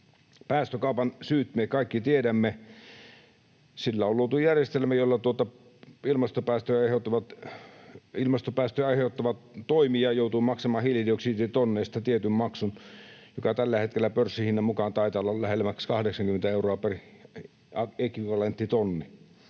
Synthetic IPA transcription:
pæːst̪økɑˑupɑnsyːt̪mekɑˑikːit̪iedæmːe | silːæolluot̪ujærjest̪elmæjolːɑt̪uot̪ɑ | ilmɑst̪opæːst̪øɑˑiheˑut̪ːɑʋɑt̪ | ilmɑst̪opæːst̪øɑˑiheˑut̪ːɑʋɑt̪toˑimiɑjoˑut̪uːmɑksɑmɑːhililioksiːt̪it̪onːeˑist̪ɑt̪iet̪ymmɑksunjokɑt̪ælːæhet̪kelːæpørsːihinːɑmmukɑnt̪ɑˑit̪ɑlːɑllæhelmækskɑhdeksɑŋkyment̪æeuroɑperi | ekiʋɑlent̪ːit̪onːi

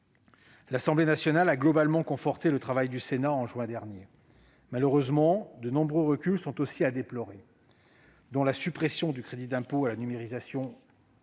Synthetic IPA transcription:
lasɑ̃blenasjɔnalaɡlɔbalmɑ̃kɔ̃fɔʁt̪elət̪χavajd̪ysenaɑ̃ʒɥɛ̃d̪ɛʁnje | maləʁøzmɑ̃d̪ənɔ̃bʁøʁəkʲylsɔ̃t̪osiad̪eplɔʁe | d̪ɔ̃lasypχesjɔ̃d̪ykχed̪id̪ɛ̃poalanymeʁizasjɔ̃

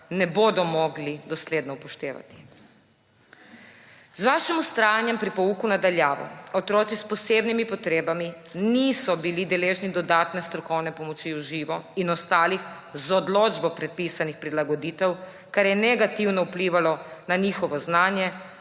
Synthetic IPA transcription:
nɛboːd̪ɔmɔɡlid̪ɔsleːd̪nɔpɔʃt̪eːʋa̰t̪i̥ | zʋaːʃimust̪ɾaːjanjɛmpɾipɔuːkunad̪aljaːʋɔ̰ɔt̪ɾɔːt̪sispɔseːbnimipɔt̪ɾeːbaminiːsɔbilid̪ɛleːʒnid̪ɔd̪aːt̪nɛst̪ɾɔkɔwnɛpɔmɔt͡ʃiuʒiːʋɔinɔst̪aːlix | zɔd̪loːd͡ʒbɔpɾɛt̪̚piːsanixpɾilaɡɔd̪iːt̪ɛw | kaɾjɛnɛɡat̪iwnɔupliːʋalɔnaɲixɔʋɔznaːnjɛ

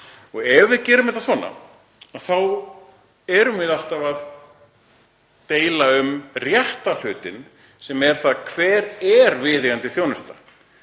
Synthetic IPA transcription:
ɔɣɛvɪðcɛːɾʏmɛht̪asvɔːnːa̰ | aðθaw | ɛɾʏmvɪðal̥t̪avað | t̪eːjlaʏmrjɛht̪al̥ʏːt̪ɪn | sɛmɛɾ̥θaðkʰvɛːɾɛɾvɪːðɪɣant̪ɪθjoːwnʏst̪a̰

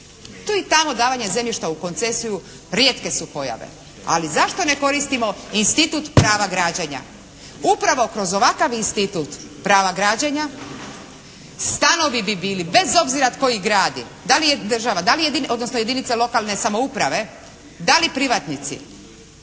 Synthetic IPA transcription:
t̪uit̪amo̞d̪aːʋaɲe̞ze̞mʎiʃt̪auko̞nt̪se̞siju | ɾjeːt̪ke̞supo̞ja̰ʋḛ | a̰lizaʃt̪o̞ne̞ko̞ɾist̪imo̞inst̪it̪ut̪pɾaːʋaɡɾaːd͡ʑaɲa̰ | upɾaʋo̞kɾo̞zo̞ʋakaʋinst̪it̪ut̪ | pɾaːʋaɡɾaːd͡ʑaɲa | st̪ano̞ʋibibiːlibe̞zo̞bziɾat̪ko̞jiɡɾaːd̪ḭ | d̪alijed̪r̩ʒaʋad̪alijed̪iod̪nosnoje̞d̪init̪selˠo̞kalˠne̞samoupɾaʋe̞ | d̪alipɾiʋat̪nit̪sḭ

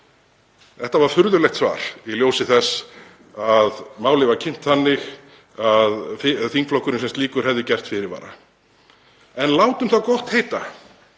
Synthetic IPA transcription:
θɛht̪avaɾ̥fʏɾðʏlɛjxt̪sva̰ːɾ̥iljowsɪθɛs | aðmaːwlɪvacʰɪn̥t̪θanːɪx | aðθiŋkflowhkʏɾnɪs̬ɛmstliːkʏɾ̥hɛvðɪcɛr̥t̪fɪɾɪɾva̰ːɾa̰ | ɛnlaːwt̪ʏmθaðkɔht̪heːjt̪a

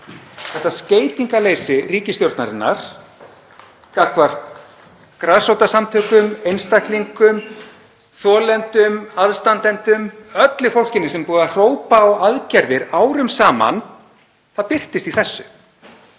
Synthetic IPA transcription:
θɛht̪ːasceːjt̪iŋkaleːjsɪriːcɪst̪joɾt̪na̰ɾɪnːa̰ɾ̥ | kakvar̥t̪ | kɾaðsowt̪asamt̪ʰœːkʏmejnst̪ahkliŋkʏm | θɔːlɛnt̪ʏmaðst̪ant̪ɛnt̪ʏmœt̪lɪfowl̥cɪnːɪsɛmpuːðar̥oːwpaːwaðcɛɾðɪɾaːwɾʏmsaːma̰n | θaðpɪr̥t̪ɪst̪iθɛsːʏ

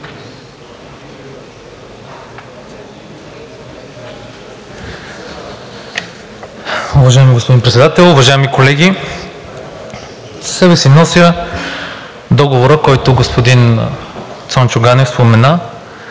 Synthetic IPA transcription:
ʊvɐʒaɛmiɡospod̪inpɾɛt̪sɛd̪at̪ɛlˠʊvɐʒaɛmikolɛɡʲi | ssɛbɛsinɔsʲjə | d̪ɔɡovoɾəkɔjt̪ʊɡospod̪in | t̪sɔnt͡ʃʊɡanɛfspomɛna

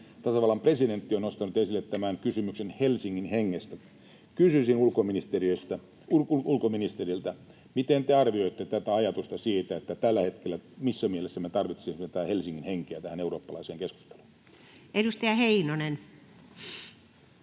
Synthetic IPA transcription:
t̪ɑsɑʋɑlːɑmpreside̞nt̪ːionost̪ɑnut̪esilːet̪t̪ːæmæŋkysymyksenhelsiŋːinheŋːest̪æ | kysysinulkominist̪eriøist̪æ | uulkominist̪erilt̪æ | mit̪ent̪eɑrʋio̞it̪ːet̪æt̪æɑjɑt̪ust̪ɑsiːt̪æet̪ːæt̪ælːæhe̞t̪kelːæmisːæmielesːæmet̪ɑrʋit̪sinet̪ææhelsiŋːinheŋkeæt̪æhæneuroːpːɑlɑiseːŋkesku̥st̪e̥lu̥n | edust̪ɑjɑheinonen

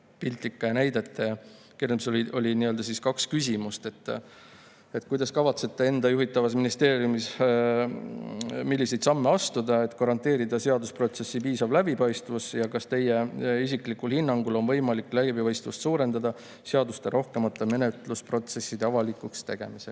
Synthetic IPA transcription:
pilt̪ˑikːˑɑjɑnæjd̪et̪ːˑeɑ | kirmsolio̞lʲiniø̞ld̪̥ɑsiskɑkskysʲimust̪e̞t̪ːˑ | e̞t̪kujd̪ɑskɑvɑt̪se̞t̪ːˑee̞nd̪ɑjuɦit̪ːˑɑvɑs̬minist̪e̞ːɾjumis | milːise̞jt̪sɑmːe̞ɑst̪ud̪̥ɑe̞t̪ːˑkɑɾɑnt̪ːe̞ːɾid̪ɑse̞ɑd̪uspro̞t̪se̞sːipiːsɑvlæbipɑjst̪vusjɑkɑst̪e̞jːe̞isiklikːulhinːɑŋɡulo̞nvɤjmɑlikːlæbipɑjst̪vust̪suːɾe̞nd̪̥ɑd̪ɑ | seɑd̪ust̪e̞ɾo̞hke̞mɑt̪ːˑeme̞net̪ˑluspro̞t̪se̞sːid̪̥e̞ɑvɑlikˑukst̪e̞ɡ̥e̞̰mise

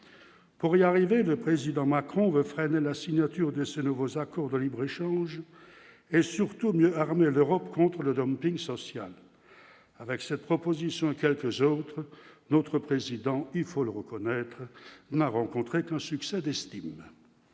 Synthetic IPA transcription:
puʁiaʁiveləpχezid̪ɑ̃makχɔ̃vøfχɛnelasiɲat̪yʁd̪əsenuvozakɔʁd̪əlibʁeʃɑ̃ʒ | esyʁt̪umjøaʁmeløʁɔpkɔ̃t̪χələd̪ɔmpiŋsɔsja̰l | avɛksɛt̪̚pχɔpozisjɔ̃kʲɛlkəzot̪χnot̪χəpχezid̪ɑ̃ilfoləʁəkɔnɛt̪χənaʁɑ̃kɔ̃t̪χekɛ̃syksɛd̪ɛst̪im

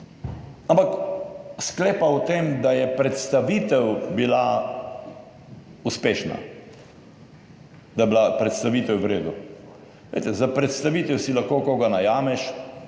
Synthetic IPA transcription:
ampakskleːpawt̪eːmd̪ajɛpɾɛt̪st̪aʋit̪ɛwbila | uspeːʃna̰ | d̪ajbilapɾɛt̪st̪aʋit̪ɛwʋɾeːd̪u | lḛjt̪ɛzapɾɛt̪st̪aʋiːt̪ɛwsilaxkoːkoɡanajaːmɛʃ

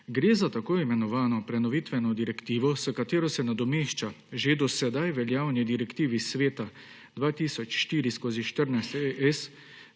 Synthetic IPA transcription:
ɡɾeːzat̪akoːjimɛnɔʋaːnɔpɾɛnɔʋit̪ʋɛnɔd̪iɾɛkt̪iːʋɔsəkat̪eːɾɔsɛnad̪ɔmeːʃt͡ʃa | ʒed̪ɔsɛd̪ajʋɛljaːwnid̪iɾɛkt̪iːʋisʋeːt̪a | d̪ʋaːt̪iːsɔt͡ʃʃt̪iːɾiskoːziʃt̪əɾnajst̪eʔɛs

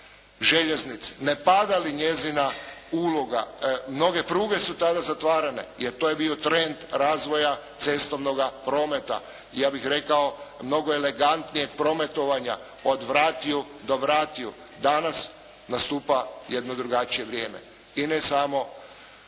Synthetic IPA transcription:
ʒe̞ʎe̞znit̪si̥ne̞pad̪aliɲe̞zinauːloɡa̰mno̞ɡe̞pɾuːɡe̞sut̪ad̪azat̪ʋaːɾane̞̰jeɾt̪oje̞biot̪ɾend̪ɾaːzʋo̞jat̪se̞st̪o̞ʋno̞ɡapɾo̞me̞t̪a̰ | ijaːbixɾe̞kaomno̞ɡoele̞ɡant̪nije̞ɡ̚pɾo̞me̞t̪o̞ʋaɲa | od̪ʋɾaːt̪iu | d̪oʋɾaːt̪iud̪anas | nast̪uːpaje̞d̪nod̪ɾuɡat͡ʃije̞ʋɾjeːme̞̰ | inesamo̞

